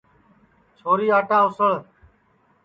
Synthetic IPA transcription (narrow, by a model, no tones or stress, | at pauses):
t͡ʃʰoːɾiːaːʈãːɦʊsəɭ